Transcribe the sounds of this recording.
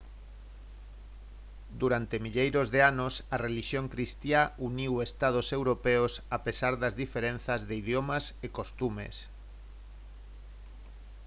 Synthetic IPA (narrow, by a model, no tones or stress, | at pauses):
d̪uɾant̪emiʎejɾozðeanʊsɐreliʃjoŋkɾist̪jauniwest̪að̞osewɾopeosapesaɾðɐzðifeɾen̟θɐzðeiðjomɐsekost̪umḛs